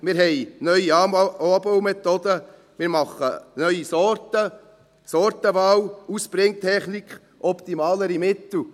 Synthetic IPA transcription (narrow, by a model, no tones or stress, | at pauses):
mɪːɾɦɛɪnœʏiɑbowmɛt̪ɔd̪ə | mɪːɾmɑχːənœʏisɔɾt̪ə | sɔɾt̪əbɑwuspɾɪŋt̪ʰɛχnikχ | ʔɔpt̪imɑːləɾimɪt̪l̩